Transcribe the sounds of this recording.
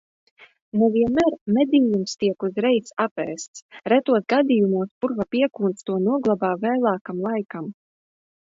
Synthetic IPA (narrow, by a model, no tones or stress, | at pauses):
nuviɛmæɾmɛd̪iːjumst̪iɛkuzɾɛjsapɛ̰ːst̪sɾɛt̪uɔt̪̚ɡad̪ijumuɔspuɾvapiɛkuːnt̪st̪uɔnuɔɡlˠabaːvɛːlˠaːkamlˠajkam